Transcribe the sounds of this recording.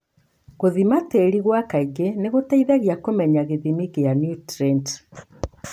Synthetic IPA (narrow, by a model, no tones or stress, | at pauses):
ɣoðimateɾiɣwakaiɡeneɣotaiðaɣjakomɛɲaɣeðimiɣeanjutɾent